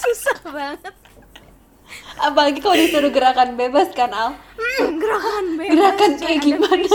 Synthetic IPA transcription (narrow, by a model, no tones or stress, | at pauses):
susa | apalaɡikaladisuɾuɡəɾakanbebaskana | ɡəɾakaneɡimana